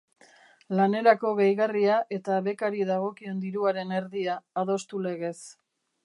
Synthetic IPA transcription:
lane̞ɾako̞ɣejɣariaʔe̞t̪aβe̞kaɾiðaɣ̞o̞kie̞nd̪iɾuaɾe̞ne̞ɾðiaːðo̞st̪ule̞ɣe̞s

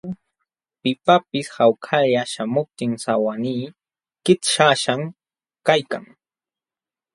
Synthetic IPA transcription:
pɪpapɪshawkʰajaʃamʊp̚t̪ɪŋsawaniː | kɪt̪ʃaʃaŋ | kajka̰ŋ

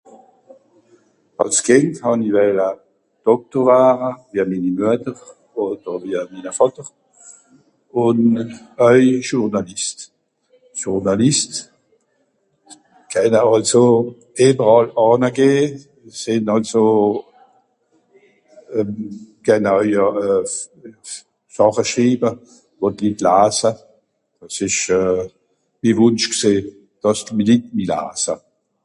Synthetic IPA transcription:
ɑ̰lskʰɪnthɑnivɛla | d̥ɔk̚toʁaːʁəviːamiːnimyətəʁ | oːdəʁviːəmiːnəfɔtəʁ | ʊn | œʏʒuʁnɑlist | ʒuʁnɑlist | kʰɛnəɑlso | eːbəʁɑlɑːnəɡeː | sɪnɑlso | kʰɛnəœʏə | sɑχəʃʁiːbə | votlitlaːsə | d̥ɑsɪʃœ | mivʊnʃkseː | d̥ɑstmilit̚mila̰ːsə

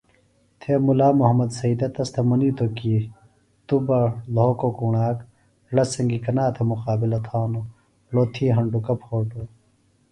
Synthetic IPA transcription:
t̪ʰemulaːmuɦɐmɐd̪sɐiːd̪ɐt̪ɐst̪ʰemɐnit̪oki | t̪ubɐloːkokuɳaːk | lɐsɐŋɡikɐnaːt̪ʰemuqaːbilɐt̪ʰaːno | loːt̪ʰiːɦɐɳɖukɐpʰhoːʈo

